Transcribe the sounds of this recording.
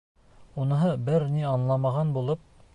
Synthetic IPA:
unɤ̆ɦɤbɘɾniɑnlˠɑmɑʁɑnbulˠɤp̚

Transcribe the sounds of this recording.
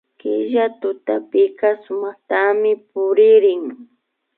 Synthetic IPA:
kɪʒat̪ʊt̪apɪkasʊmɑχt̪amɪpʊɾɪɾɪŋ

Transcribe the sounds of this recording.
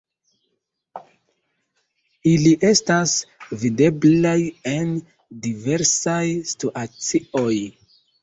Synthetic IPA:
iliʔe̞stasvide̞blaje̞n | dive̞ɾsajstuʔat͡sio̞j

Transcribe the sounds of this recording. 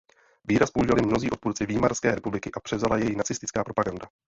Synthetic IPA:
viːɾaspouʒivalɪmno̞ziːʔo̞t̪puːɾt͡sɪviːmarskɛːɾɛpublɪkɪʔapr̥ɛvzalajɛjinat͡sɪst̪ɪt͡skaːpɾo̞paɡanda

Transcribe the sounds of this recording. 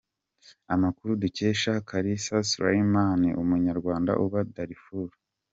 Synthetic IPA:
amakuɾuduce̞ːʃakʰaɾisasuɾa̰imanḭʔumuɲaɾɡwaːnda̰ʔuβadaɾifuɾu̥

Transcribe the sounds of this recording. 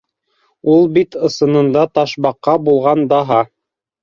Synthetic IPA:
ulˠbit̪ɤ̆sɤ̆nɤ̆nd̪ɑt̪ɑʃβɑqːɑbulˠʁɑnd̪ɑɦɑ

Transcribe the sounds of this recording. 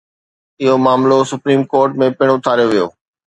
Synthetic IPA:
ɪɦomaːmlosʊpɾiːmkoːɾʈmẽpɪɽ̃ʊt̪ʰaːɾjoʋijo̰ː

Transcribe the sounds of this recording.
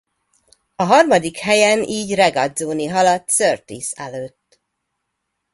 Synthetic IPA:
ɒɦɒrmɒd̪ikhɛjɛniːɟrɛɡɒd̪zoːniɦɒlɒt̪ːsørt̪ḭsɛløːt̪ː

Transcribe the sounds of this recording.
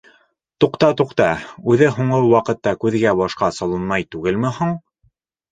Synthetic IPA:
t̪uqt̪ɑt̪uqt̪ɑʉðɘɦuɴɤwɑqɤ̆t̪ːɑkʉðɡæbɑʃqɑsɑlˠɤ̆nmɑjt̪ʉɡɘlmɘ̆hoɴ

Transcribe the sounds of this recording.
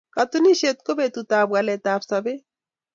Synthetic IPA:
kat̪uniʃet̪kobet̪ut̪abwalet̪apsabe

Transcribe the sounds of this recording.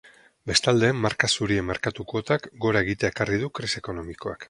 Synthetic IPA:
be̞st̪ald̪e̞ːmːaɾkasuɾie̞mːeɾkat̪uko̞t̪akɡo̞ɾae̞ɣit̪eaekarið̞ukɾise̞ko̞no̞miko̞a̰k

